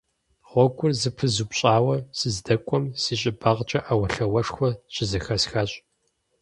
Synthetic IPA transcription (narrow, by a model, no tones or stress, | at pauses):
ʁʷɔɡʷʼʊrzɨpʰɨzuːpɕʼaːwɐsɨzdɐkʷʼɔmsiːɕʼɪbɐʁt͡ʃʼɐʔawɐɬɐwɐʂxʷɔɕʼɪzɐxɐsxɐɕʼ